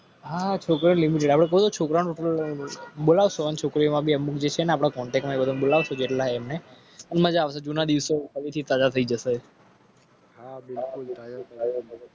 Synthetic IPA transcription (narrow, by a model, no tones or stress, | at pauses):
ɦat͡ʃʰokɾinlimiʈ̬eɖapɽ̃ekəut̪ot͡ʃʰokɾañuʈəl | ɓolaʋsoənet͡ʃʰokɾiomãbʱiəmukd͡ʒet͡ʃʰeneapɽ̃akɔɳʈeksmãekbəd̪ʱoɓolaʋsod͡ʒeʈlaɦeːmne | ənməd͡ʒaːʋsad͡ʒunad̪iʋsosəʋit̪ʰit̪ad͡ʒat̪ʰəid͡ʒəse | ɦabɪlkult̪ad͡ʒa